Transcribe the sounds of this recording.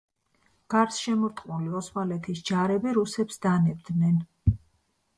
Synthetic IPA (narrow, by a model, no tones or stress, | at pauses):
ɡ̥aɾsʃɛmɔɾt̪ʼχʼqʼuliɔsmalɛt̪ʰisd͡ʒaɾɛbiɾusɛpsd̪anɛb̚d̪nɛn